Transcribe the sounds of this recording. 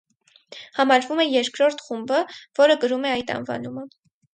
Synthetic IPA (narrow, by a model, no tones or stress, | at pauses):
hɑmɑɾvumɛjɛɾkɾɔɾt̪ʰχumbəv̥ɔɾəɡəɾumɛɑjt̪ɑ̰nvɑ̰numə